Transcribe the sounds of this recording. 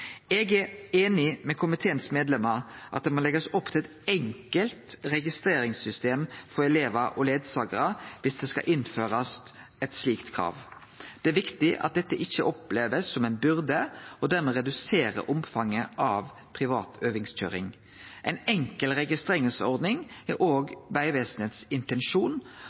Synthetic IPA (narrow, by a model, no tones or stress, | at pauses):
ɛɡæeːnɪmɛkʰʊmɪt̪ʰeːənsmeːd̪lɛməʁʔɑt̪̚d̪ɛmolɛɡəsɔpt̪ʰɪlɛt̪ɛŋkəlt̪ɾɛɡɪst̪ɾeːɾɪŋsʏst̪eːmfɔɾɛleːʋɑʔɔleːd̪sɑːɡəɾəʋɪsd̪ɛːskɑ̰ʔɪnføːɾɑsɛt̪sliːkt̪kʰɾɑ̰ːʋ | d̪̥ɛæɾʋɪkt̪ɪʔɑ̰t̪̚d̪ɛt̪ːəʔɪçːəʔɔpleːʋəsːɔmɛɪnbʉɾd̪əɔd̪æɾmɛɾɛd̪ʉseːɾə̰ʔʊmfɑŋːəʔɑʋ | pʰɾɪʋɑ̰ːt̪ʰøːʋɪŋsc͡çø̰ːɾɪ̰ŋ | ʔɛɪnɛŋkəlɾɛɡɪst̪ɾeːɪŋəlsɔɾd̪nɪŋʔoːɡʋæɪʋeːsənheːt̪sɪnt̪ɛnʃuːn